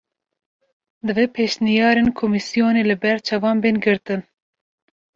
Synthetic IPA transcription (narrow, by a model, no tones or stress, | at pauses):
d̪ɨvepʰeːʃnijɑːɾenkʰomisijoːneːlɨbɛɾt͡ʃʰɛvɑːnbeːnɡɨɾt̪ɨn